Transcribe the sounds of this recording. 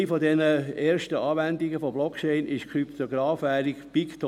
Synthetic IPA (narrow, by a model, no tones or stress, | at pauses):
ifodɛnəeːɾʃtəɑːʋændɪɡəfoblɔkt͡ʃeɪnɪʃkʰɾypt̪ɔɡɾɑːfʋæːɾikpɪkt̪ʰɔ